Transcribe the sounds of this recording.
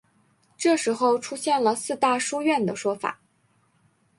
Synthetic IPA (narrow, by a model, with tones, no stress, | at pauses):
ʈ͡ʂɤ˥˩ʂɻ̩˧˥xo˥˧ʊʈ͡ʂʰu˥ɕjɛ˥˩nlə˩sɹ̩˥˧t̪a˥˧ʂu˥ɥɛ˥˩nd̪ə˩ʂwɔ˥fa̰˨˩˦